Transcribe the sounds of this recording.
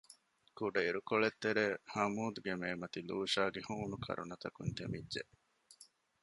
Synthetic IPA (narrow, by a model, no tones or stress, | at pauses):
kuɖɐiɾukoɭet̪ːeɾeːhɐmuːd̪uɡemeːmɐt̪iluːʃaːɡehuːnukʰɐ̰ɾṵnɐt̪ɐkunt̪emidʒeʔ